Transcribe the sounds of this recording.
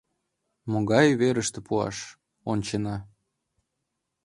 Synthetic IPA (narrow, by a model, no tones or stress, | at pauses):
moɣɑjβeɾəʃt̪ĕpuɑ̰ʃ | onʲt͡ɕenɑ